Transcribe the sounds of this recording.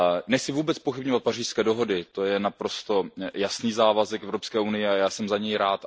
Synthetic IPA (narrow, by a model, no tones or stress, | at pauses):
nɛxt͡sɪvuːbɛt͡sspoxɪbɲovat̪̚pariːr̥skɛːdo̞ɦo̞dɪt̪o̞jɛnapɾo̞st̪o̞jasniːzaːvazɛkɛvɾopskɛːʔunɪjɛajaːsɛmzaɲɛjɾaːt̪